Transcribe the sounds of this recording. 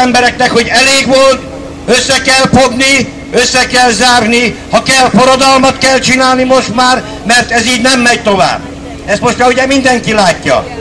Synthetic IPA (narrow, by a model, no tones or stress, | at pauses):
ɛmbɛɾɛknɛkho̞ɟɛleːɡʋolt̪ | øsːɛkɛlfoɡni | øsːɛkɛlzaːrnihɒkɛlfoɾod̪ɒlmɒt̪kɛlt͡ʃinaːlnimoʃt̪maːr | mɛrt̪ɛziːɟnɛmːɛɟt̪o̞va̰ːb | ɛst̪mo̞ʃt̪ɑuɟɛmind̪ɛŋkilaːcːɒ̰